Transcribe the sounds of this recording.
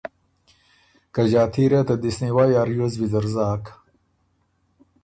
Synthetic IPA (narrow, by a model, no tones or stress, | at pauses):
kɐʑaːt̪ʰiɾɐt̪ɐd̪isniwajaːɾjozbizɐɾzaːk